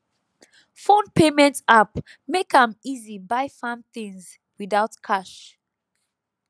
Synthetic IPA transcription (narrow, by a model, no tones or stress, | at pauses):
fõnpʰemɛ̃ntap | mekãmizibaɪfãnθĩŋz | wiðaʊtkʰaʃ